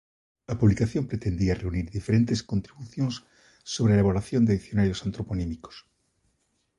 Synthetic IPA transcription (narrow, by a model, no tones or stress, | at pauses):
apuβlikaθjompɾet̪end̪iareuniɾðifeɾent̪eskont̪ɾiβuθjonsː | oβɾelaeβolaθjond̪eðiθjo̞naɾjosant̪ɾoponimiko̥s